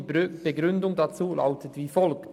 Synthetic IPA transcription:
b̥eɡɾʏndʊŋdɑt͡suːla̰ʊtətviːfɔlkt

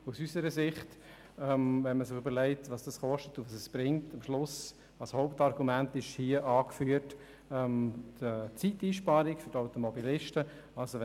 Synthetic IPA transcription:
usysəɾəsɪχt | ɛmvɛnməsɪχybəɾlɛɪtvɑːsd̥ɑsχɔʃtətuʋɑsɛsb̥ɾɪŋtɑmʃlʊs | ɑshoʊptɑrɡumæntɪʃhiəʔɑːkfyːət | ɛmdət͡sitiːʃpɑɾɪkfʏɾdaʊtɔmɔbilɪʃtə | ɑlsoʋɛ

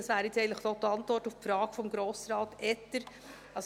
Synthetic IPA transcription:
ɑsʋæːɾjɪt͡sɛɪntləχd̥od̥̪əɑntʋɔrtuffɾɑːɡ̥fɔmɡɾoːsɾɑːtʔɛtəɾ | ɑs

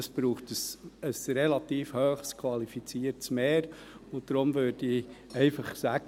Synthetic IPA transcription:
əsb̥ɾuːχtəsəsɾelɑt̪iːfhøːχskʰvɑlifit͡siːəɾtsmeːɾ | ʊd̪̥ɾʊmʋøːɾd̥iɛɪfɑχsæɡ̥

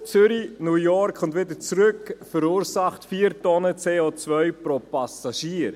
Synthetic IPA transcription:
t͡sʏɾinuːjɔɾkχʊntvɪdət͡sɾʏkfəɾuːɾsɑχtfiːɾtɔnət͡seːoːt͡svœʏpɾopɑsɑʃiːəɾ

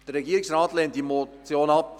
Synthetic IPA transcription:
d̥əɾɛɡiːɾɪksrɑːtlent̚d̥imot͡sjoːnɑp

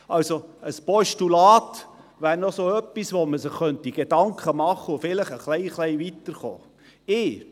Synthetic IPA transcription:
ɑlsoəspɔʃtulɑːt | ʋæːɾnɔsoœpːisʋoməsɪχːœntiɡ̥ed̥ɑŋkχəmɑχəʊfɪləχəχlɛɪχlɛɪʋit̪əɾχo̰ː | ɪː

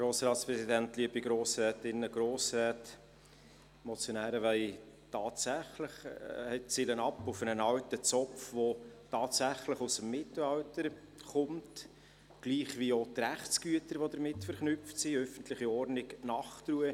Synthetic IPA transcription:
ɡ̥ɾoːsɾɑːtspɾɛsidæntliəbiɡɾoːsɾɛːtɪnːəɡ̥ɾoːsɾɛːt | mɔt͡sjonæːɾəʋæɪ | tɑːtsæχləχhɛt̚t͡silənɑpufənənɑwtət͡sɔpfvotɑːtsæχləχusəmːɪtl̩ɑwtəɾ | χʊmt | ɡ̥liːχʋiotræχtt͡sɡ̥yətəɾʋod̪əɾmɪtfəɾχnʏftsiœfən̩tlɪχiɔɾnɪknɑχtruə

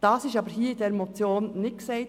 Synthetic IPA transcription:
d̥ɑːsɪʃɑːbəɾhiːidɛɾmot͡sjoːnːɪksɛɪ

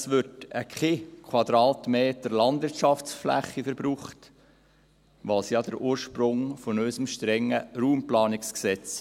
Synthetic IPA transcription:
sʋʏɾtəkχekʰwɑd̪ɾɑːtmeːt̪əɾlɑndʋɪɾtʃɑft͡sflæ̰χːifəɾbɾuːχt | ʋɑlsjɑd̥əɾʔuːɾʃpɾʊŋfɔnœʏsəmʃtɾɛŋːəɾuːmplɑːnɪksksɛt͡s

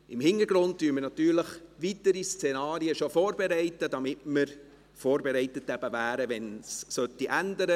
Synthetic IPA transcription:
ɪmhɪnəɾɡɾʊntd̥yːmənɑt̪yːɾləχʋitəɾist͡sɛnɑːɾiəʃofɔːɾbɛɾɛɪtədɑmɪtməɾ | foːɾbɛɾɛɪtətæb̥əvæːɾəʋɛnssœtːiʔændəɾə

